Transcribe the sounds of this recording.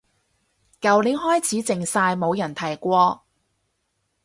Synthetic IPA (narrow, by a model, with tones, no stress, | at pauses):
kɐ˨wli˨˥ɦɔː˥jt͡sʰiː˨˥t͡sɪ˨ŋsaː˧jmo˨˧wjɐ˨˩nt̪ʰɐ˨˩jkʷɔː˧